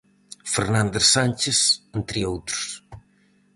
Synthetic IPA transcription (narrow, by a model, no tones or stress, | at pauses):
feɾnand̪esanʲt͡ʃesent̪ɾiowt̪ɾus